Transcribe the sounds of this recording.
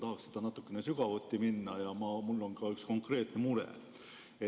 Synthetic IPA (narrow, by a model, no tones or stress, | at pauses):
t̪ɑɦɑkse̥d̪ɑnɑt̪ːˑukːenesyɡ̥ɑvot̪ːiminːɑjɑmɑmulːo̞ŋɡɑyksko̞ŋkˑre̞ːt̪ne̞muɾḛ | e